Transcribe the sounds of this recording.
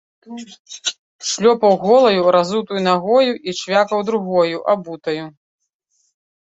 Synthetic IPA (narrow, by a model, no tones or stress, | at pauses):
ʂlʲɔpɐwɣɔlˠɐjuɾazut̪ujunaɣɔjuʔit͡ʂvʲakɐwd̪ɾuɣɔjuʔabut̪ɐju